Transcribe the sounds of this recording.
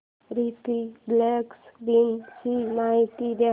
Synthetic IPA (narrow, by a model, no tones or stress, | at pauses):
ɾit̪ibleksʋinsinajt̪id̪e